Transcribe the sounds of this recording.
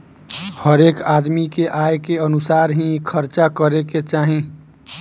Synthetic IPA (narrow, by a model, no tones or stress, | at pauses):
həɾeːkaːd̪mikeʔaːjkeənʊsaːɾɦĩkʰəɾt͡ʃakəɾeket͡ʃaːɦẽ